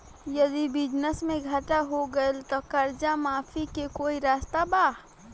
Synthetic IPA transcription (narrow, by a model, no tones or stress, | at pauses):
jɐd̪ibɪd͡ʒnəsmẽɡʱaʈaɦoɡəelt̪okɐɾd͡ʒamaːfʰikekoːiɾaːst̪abaː